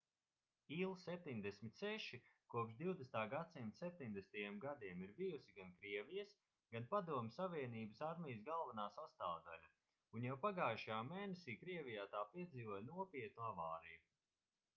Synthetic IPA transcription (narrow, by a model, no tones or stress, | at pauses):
iːlˠsɛp̚t̪iɲd̪esmʲit̪ʲsɛʃikuɔpʃd̪iwd̪est̪aːɡat̪simt̪sɛp̚t̪iɲd̪ɛst̪ajɛmɡad̪iɛmiɾbijusiɡankɾiɛvijəs | ɡ̥anpad̪uɔmʲsaviɛniːbɨsaɾmʲijəsɡalˠvanaːsast̪aːd̪alʲa | unjawpaɡaːʃaːmeːnesiːkɾiɛvijaːt̪aːpiɛd̪ziːvoɔjnuɔpiɛt̪̚nuavaːɾiju